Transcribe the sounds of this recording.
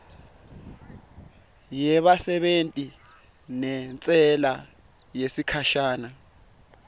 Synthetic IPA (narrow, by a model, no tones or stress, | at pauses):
jɛɓasɛɓentʼi | nɛnt͡sʼɛla | jesikʰaʃaːna